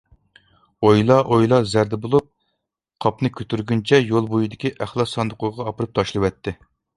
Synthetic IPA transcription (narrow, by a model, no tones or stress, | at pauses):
ojlˠɑʔojlˠɑzæɾd̪ɛbolˠup̚ | qʰɑpnɨkʲʰøt̪ʰyɾɡʲynt͡ʃʰɛjolˠbojid̪ɪkʲiʔæχlˠɑsɑnd̪əqʰʊʁɑːpɨɾɨp̚t̪ʰɑʃlˠɨwɛt̪ʰːɪ